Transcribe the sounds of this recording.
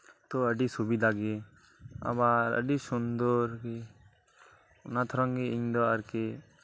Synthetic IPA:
t̪oəɖisubid̪aɡe | a̰baɾə̰ɖisund̪oɾke | ʊnat̪ʰɾɔŋɡeiŋd̪ɔaɾke

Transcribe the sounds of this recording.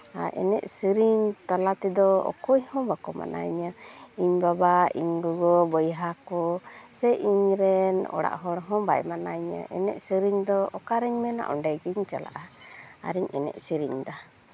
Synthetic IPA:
aʔɛ̰nɛʔsiɾiɲt̪alat̪ɛd̪ɔɔ̰kuɲhɔ̃bakɔma̰nʔa̰ɲəiɲbabaiɲɡɔɡɔbɔjɦakɔsɛʔiɲɾɛnɔ̰ɽa̰ʔɦɔɽɦɔ̃bajmanaɲə̰ʔɛ̰nɛʔsiɾiɲd̪ɔɔkaɾɛɲmɛna̰ʔɔɳɖɛɡiɲt͡ʃa̰la̰ʔaa̰ɾiɲɛnɛ̰ʔsiɾiɲd̪a

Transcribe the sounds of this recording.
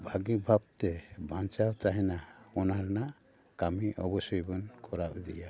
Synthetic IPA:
bʱaɡibʱab̚t̪ɛbʱãnt͡ʃawt̪aɦɛnaɔnaɾnaʔ | kamiʔɔbɔsɔjbɔnkɔɾapd̪ḭja

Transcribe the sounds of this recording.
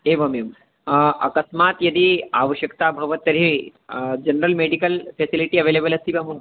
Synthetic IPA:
eʋɐmjum | ɐ̰kɐsmat̪jɐd̪iːa̰ːʋɐɕjɐkt̪abʱɐʋɐt̪ːɐɾi | d͡ʒɐnɾəlmeɖikɐlfesiliʈiːɐʋeːleːbɐlɐst̪iːbɐmum

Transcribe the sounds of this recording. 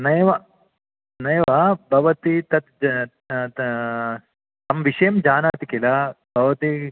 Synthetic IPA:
nɐjɐʋɐ | nɐjɐʋɐbʱɐʋɐt̪it̪ɐt̪ | t̪ɐmʋiʂɐjɐmd͡ʒaːnaːt̪ikilabʱɐʋɐt̪i

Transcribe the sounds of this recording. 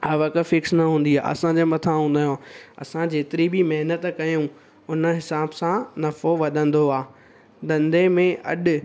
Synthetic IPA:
ɐʋɐkəfɪksnɐɦũːn̆d̪ia̰ːʔɐ̰sãd͡ʑeːmɐt̪ʰãɦũːn̆d̪aːjõɐ̰sãd͡ʑeːt̪ɪɾibimɐɦnət̪kɐjũ | ʊnə̆ɦɪsaːbsãnɐfoʋɐd̪ʱə̃nd̪oaː | d̪ɐ̃nd̪emẽʔɐ̰ɗ̆

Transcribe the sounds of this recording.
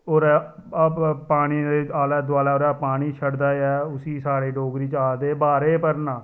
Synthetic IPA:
oːɾɛː | paːɽ̃iːeaːlɛːd̪ʊaːlaːoɾɛːpaːɽ̃iːt͡ʃʰəɽd̪aːɛːʊsiːsaːɽeːɖoːɡɾiːt͡ʃaːd̪eːbaːɾeːpəɾnaː

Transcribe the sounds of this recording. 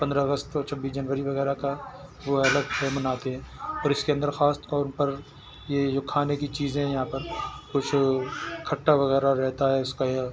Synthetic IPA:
pɐ̃nd̪ɾaɐɡəst̪ɔːɾt͡ʃʰɐbːiːsd͡ʒɐnʋəɾiʋɐɣɛːɾakaʋoɐləd̪pʰɛːmənaːt̪eɦɛ̃ːɔːɾɪskeɐ̃nd̪əɾxaːst̪kɔːnpɐɾ | jed͡ʒokʰaːnekit͡ʃiːzẽɦɛ̃jɐɦãːpɐɾkʊt͡ʃʰkʰɐʈːaʋɐɣɛːɾaɾɛɦt̪aɦɛʊskaja

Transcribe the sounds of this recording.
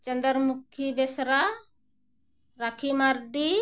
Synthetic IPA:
t͡ʃənd̪əɾmukʰibesɾa | ɾakʰimaɾɖi

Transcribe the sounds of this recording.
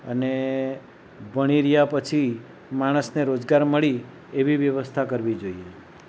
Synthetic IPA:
əne | bəɽ̃iɾijapət͡ʃʰi | maɽ̃əsneɾod͡ʒɡaɾməɭi | eʋiʋjəʋəst̪ʰakəɾʋid͡ʒoie

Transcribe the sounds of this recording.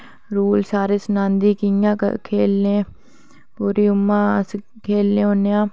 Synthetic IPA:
ɾuːlsaːɾeːsənãːnd̪iːkiã̰ːkʰeːlẽː | puːɾiːʊmːãːs | kʰeːlːẽːɦõːnejãː

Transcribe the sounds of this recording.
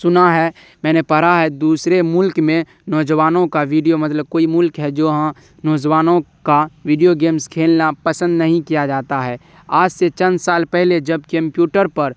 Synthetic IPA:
sʊnaɦɛ | mɛːnepəɾaɦɛd̪uːsɾemʊlkmẽ | nɔːd͡ʒəʋaːnõkaʋiːɖijomɐt̪ləb̚koːimʊlkɦɛd͡ʒoːɦã | nɔːd͡ʒʋaːnõkaʋiːɖijoɡeːmskʰeːlnapəsə̃nd̪nɐɦĩkijad͡ʒaːt̪aɦɛː | aːd͡ʒset͡ʃɐ̃nd̪saːlpɛɦled͡ʒɐb̚kɐ̃mpjuːʈəɾpɐɾ

